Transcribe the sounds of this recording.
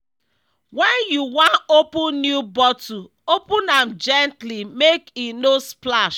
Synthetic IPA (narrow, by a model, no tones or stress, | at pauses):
wɛ̃njuwãnopũnnjubɔtu | opũnamd͡ʒɛntlimekinosplaʃ